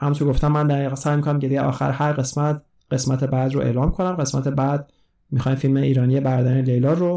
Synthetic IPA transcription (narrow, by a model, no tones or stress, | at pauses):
hæmuoɡo̞ft̪æmːænd̪æʁiːɣɛsæːjmikʰonæmɟed̪ijeʔɒ̰ːxæ̰ɾhæɾɢe̞smæt̪ | ɢ̥e̞smæt̪ʰe̞bæd̪ɾoʔe̞̰ːlɒːmkʰo̞næmɢe̞smæ̰t̪ʰe̞bæd̪ | mixɒːjmfilmeiːɾɒːnijebæɾd̪æɾinelejlɒːɾo